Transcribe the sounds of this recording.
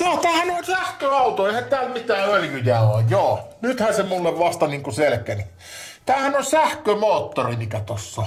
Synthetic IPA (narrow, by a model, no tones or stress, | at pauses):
joːt̪æːhænolʲsæhkøɑˑut̪oeˑihæt̪æːlmit̪æːøljyjæojjoːnyt̪hænsemulːeʋʋɑst̪ɑniːŋkuselkæni | t̪æːhænolʲsæhkømoːt̪ːorimikæt̪osːɑ